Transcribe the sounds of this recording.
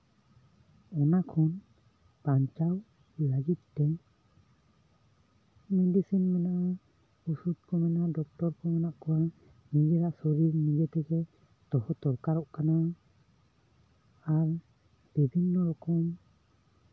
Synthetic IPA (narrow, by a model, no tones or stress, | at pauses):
ɔnakʰɔn | paɲt͡ʃaw | laɡit̪̚t̪ɛ | mɛdisinmanaʔa | usut̪̚kɔmanaʔdɔk̚tɔɾkɔmanaʔkɔwa | miɡɛɾaʔsɔɾiɾmiɡɛt̪ɛɡɛ | t̪ɔhɔt̪ɔɾkaɾɔʔkana | aɾ | b̥ibʱinːɔɾɔkɔm